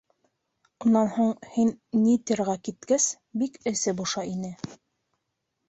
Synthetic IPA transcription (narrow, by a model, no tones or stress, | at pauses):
unːɑnhuɴhinnit̪iɾʁɑkit̪̚kæs | bikɘ̆sɘbuʃɑinɘ